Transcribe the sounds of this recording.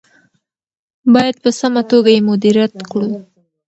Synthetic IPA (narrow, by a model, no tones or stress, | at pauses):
bɑjad̪̚pəsamat̪oɡajemʊd̪iɾjat̪kɽu